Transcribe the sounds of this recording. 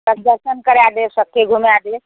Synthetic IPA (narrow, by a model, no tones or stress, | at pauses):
əɾd̪əɾsənkəɾjad̪esəkʰːeɡʱumjad̪e